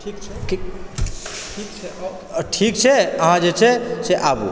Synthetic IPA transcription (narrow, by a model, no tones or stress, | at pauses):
ʈʰikt͡ʃʰ | ʈʰikt͡ʃʰɛ | ʈʰikt͡ʃʰɛəɦãd͡ʒet͡ʃʰɛseʔabṵ